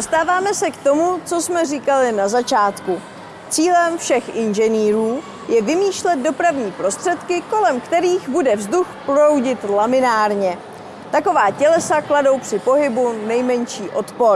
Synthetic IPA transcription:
dost̪aːvaːmɛsɛkt̪o̞mut͡so̞smɛriːkalɪnazat͡ʃaːt̪ku | t͡siːlɛmfʃɛxʔɪnʒɛniːɾuː | jɛvɪmiːʃlɛt̪̚do̞pɾavɲiːpɾo̞st̪r̝̥ɛt̪kɪko̞lɛmkt̪ɛɾiːɣbudɛvzduxpɾowɟɪt̪lamɪnaːɾɲɛ | t̪ako̞vaːcɛlɛsaklado̞wpr̝̥ɪpo̞ɦɪbunɛjmɛɲʃiːʔo̞t̪poɾ

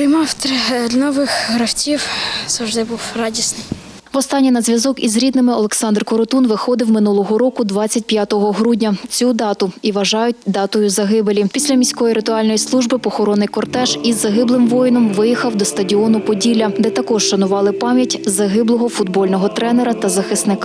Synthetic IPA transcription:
ɾɪjmɑwt̪ɾnɔʋɪxɦɾɐwtʲiwsɐwʒd̪ɪbuwrɑdʲisnɪj | ʋɔst̪ɑnʲːinɐzʲʋʲjɐzɔkizɾʲid̪nɪmɪɔlˠeksɑnd̪rkɔɾɔt̪unʋɪxɔd̪ɪwmɪnulˠɔɦɔɾɔkʊd̪ʋɑt͡sʲːɐtʲpʲjat̪ɔɦɔɦɾudʲnʲɐt͡sʲud̪ɑt̪ʊiʋɐʒɑjʊtʲd̪ɑt̪ʊjʊzɐɦɪbelʲipʲisʲlʲɐmʲisʲkɔjiɾɪt̪ʊɑlʲnɔjislˠuʒbɪpɔxɔɾɔnɪjkɔrt̪ɛʃizːɐɦɪblˠɪmʋɔjnɔmʋɪjixɐwd̪ɔst̪ɐdʲiɔnʊpɔdʲilʲɐd̪ɛt̪ɐkɔʃʃɐnʊʋɑlˠɪpɑmʲjɐtʲzɐɦɪblˠɔɦɔfʊd̪bɔlʲnɔɦɔt̪ɾɛnɛɾɐt̪ɐzɐxɪsnɪkɑ

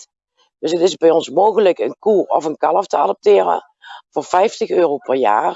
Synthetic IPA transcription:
d̥ɵsətɪzbɛjɔnsmoːɣələkənkuɔfənkɑlˠəftəadəp̚tɪːrə̰ | vʊːrfɛjftəxøːrowpɛrja̰ːr

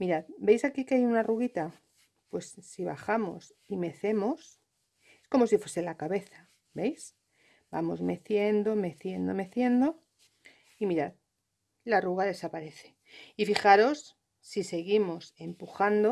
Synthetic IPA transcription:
miɾaðbe̞jsakikeajunaruɣit̪a | pwe̞sːiβa̰xamo̞̰s | ime̞θe̞mo̞s | esko̞mo̞sifwese̞lakaβe̞θḁ | be̞js | b̥a̰mo̞zme̞θje̞nd̪o̞me̞θje̞nd̪o̞me̞θje̞nd̪o̞ | imiɾat̪ | laruɣaðe̞sapaɾe̞θe̞̥ | ifixaɾo̞sː | ise̞ɣimo̞se̞mpuxand̪o̞

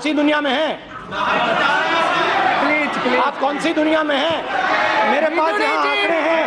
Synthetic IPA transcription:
sid̪ʊnijamẽɦɛ̃ː | aːp̚kɔːnsid̪ʊnijamẽɦɛ̃ | meːɾepaːsjɐɦããːkʰɽeɦɛ̃ː

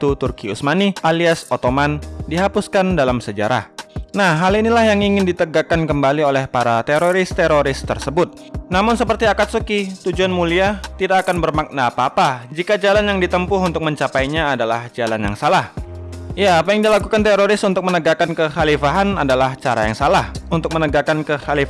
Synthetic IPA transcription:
t̪ut̪urkiusmanialiasot̪omandiɦapuskandalamsəd͡ʒa̰ɾa̰hnahɦːalinilahjaŋiŋɪndit̪əɡakankəmbaliolɛhpaɾat̪eɾoɾɪst̪eɾoɾɪst̪ərsəbʊt̪̚ | namʊnsəpərt̪iakat̪̚sukit̪ud͡ʒuanmuliat̪idakːakanbərmak̚naːpaːpad͡ʒikad͡ʒalanjaŋdit̪əmpʊɦunt̪ʊk̚məɲt͡ʃapajɲaːdala̰hd͡ʒalanja̰ŋsalahijaːpajaŋdilakukant̪eɾoɾɪsunt̪ʊk̚mənəɡakankəxalifaɦana̰dalaht͡ʃaɾa̰ja̰ŋsalahunt̪ʊk̚mənəɡakankəhalifa

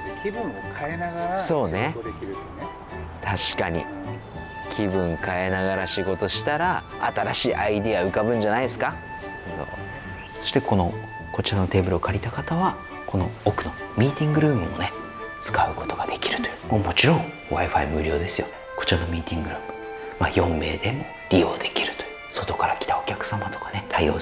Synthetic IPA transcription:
so̞ːne̞ | t̪ʰaɕi̥kaɲ̟ḭ | kʲʰibɯ̟̃ŋkae̞naɡaɾaɕiɡo̞t̪o̞ɕi̥t̪aɾa | at̪aɾaɕiːʔaid̪eaɯ̟kabɯ̟̃ɲ̟d͡ʑanaid̪esɨ̥ka | so̰ː | so̞ɕi̥t̪eko̞no̞ | ko̞t͡ɕiɾano̞t̪e̞ːbɯ̟ɾɯokʰaɾʲit̪akat̪aβa | kʰo̞no̞okɯ̟no̞mʲiːt̪ʲĩŋɡɯ̟ɾɯ̟ːmɯ̟mo̞̰ne | t͡sɨ̥kaɯ̟ko̞t̪o̞ɡad̪e̞kʲi̥ɾɯ̟t̪omoːmo̞t͡ɕiɾõ̞ŋ | βaiɸaḭmɯ̟ɾʲo̞ːd̪e̞sɨjo | ko̞̥t͡ɕiɾano̞mʲiːt̪ʲĩŋɡɯ̟ɾɯːmɯ̥ | ma̰ːjõ̞mːe̞̰ːd̪e̞mo̞ | ɾʲio̞ːd̪e̞kʲiɾɯ̟̥t̪ojɯ | so̞t̪o̞kaɾakʲi̥t̪ao̞kʲakɯ̟̥samat̪o̞̥kḁnet̪ʰaio̞̰ː

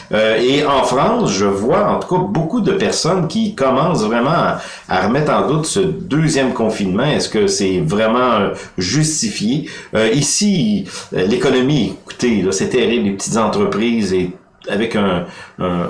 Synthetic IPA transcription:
øeɑ̃fʁɑ̃sʒəvwaɑ̃t̪u̥kabokud̪əpɛʁsɔnkʲikɔmɑ̃ːsvʁɛmɑ̃a | a̰ʁəmɛt̪χɑ̃d̪ut̪səd̪øzjɛmkɔ̃finmɑ̃ɛskəsɛvʁɛmɑ̃øʒyst̪ifjeøisi | lekɔnɔmieku̥t̪elɔsɛt̪ɛʁiblepə̥t̪ʰi̥t̪zɑ̃t̪ʁəpʁiːze | avɛkɛ̃

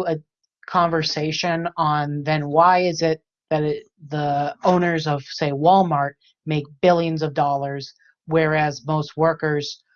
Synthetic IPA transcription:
ɨ | kʰɑ̃ɱvə˞seɪʃɨ̃nə̃nðɨ̃nwaɪɪzɪt̪̚ | ðɨɾ | ðəõʊ̃nə˞zʌv̥seɪwɔlˠmɑɹt̚ | meɪk̚b̥ɪlˠjɨ̃nzʌvdɔlˠə˞z̥ | wɛ˞æzmoʊst̚wɜ˞kə˞z̥

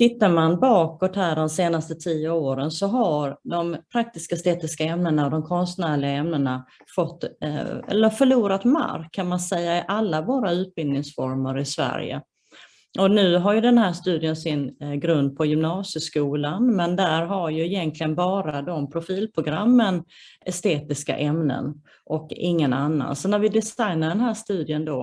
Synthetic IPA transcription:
t̪ʰɪt̪ːaɾmanbɑːkɔt̪hæːɖɔmseːnast̪ət̪ʰiːəoːɾənsɔɦaɾd̪ɔmpʰɾak̚t̪ɪskast̪eːt̪ɪskaɛmnənaɔd̪ɔmkʰɔnst̪næːɭɪɡaɛmnəna | fɔt̪ːɛ̰lːəɾfœɭuːɾat̪ma̰ɾkʰːanmansɛjːaɪʔalːavoːɾaʉ̟ːt̪̚bɪld̪nɪŋsfɔɾməɾɪsvæ̰ɾjə̰ | ʔɔnʉ̟ːɦaɾjɵd̪ɛnɦæːʂt̪ʉ̟ːd̪ɪənsɪnɡɾɵnd̪̚pʰɔjʏmnɑːsjəskuːlanmɛnd̪æɾɦaɾjɵɪjɛnt̪ʰlɪɡənbɑːɾad̪ɔmpʰɾʊfiːlpʰɾʊɡɾamːənɛst̪eːt̪ɪska̰ʔɛmnə̰n | ʔɔkɪ̰ŋːənanːa̰nsɔnæɾvɪd̪ɪsajnaɖɛnɦæːʂt̪ʉ̟ːd̪ɪənd̪oː

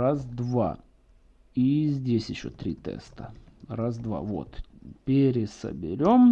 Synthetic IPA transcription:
azd̪va̰ | izʲdʲesʲjɪɕːo̰t̪ɾʲit̪ɛ̰st̪ərazd̪va̰vo̰t̪pʲeɾʲɪsə̰bʲɪ̰ɾʲo̞m

